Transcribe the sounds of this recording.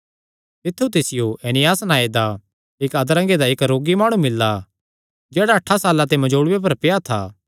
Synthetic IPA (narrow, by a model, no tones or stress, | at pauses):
t̪ɪt̪ʰːut̪ɪsɪjoʔeːnɪjaːsnaːed̪a | ɪkɐd̪ɾɐ̃ŋɡed̪aɪkɾoːɡimaːɽ̃ũmɪlːa | d͡ʒɛːɽaɐʈʰːasaːlat̪emɐd͡ʒoːɽʊwep̬ɐɾpɪjat̪ʰa̰ː